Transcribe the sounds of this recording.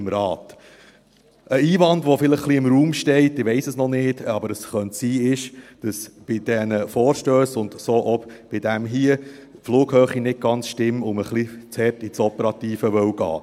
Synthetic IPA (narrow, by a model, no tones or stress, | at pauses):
ɪmɾɑːt | əiːvɑndʋɔfɪləχχliɪmɾuːmʃtɛɪtːɪʋɛɪsəsnɔnɪːdɑbəɾəsχœntsiːɪʃd̥ɑsb̥ɪd̥ɛnəfɔːɾʃtøːsʊnd̥̪soːʔɔbb̥ɪdæmɦiːə | fluːɡ̥hœːχinɪt̚ɡ̥ɑnt͡sʃtɪmːʊməχlit͡shɛɾtit͡sɔpəɾɑt̪iːfəʋœwɡ̥ɑ̰ː